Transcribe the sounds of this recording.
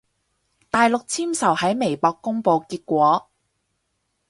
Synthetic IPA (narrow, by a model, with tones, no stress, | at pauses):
t̪aː˨jlʊ˨k̚t͡sʰiː˥msɐ˨˩whɐ˨˥jme˨˩jpɔː˧kːʊ˥ŋpo˧wkiː˧t̚kʷɔː˨˥